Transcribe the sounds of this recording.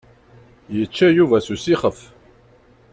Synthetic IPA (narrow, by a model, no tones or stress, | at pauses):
jət͡ʃːæjuvæsusiχəf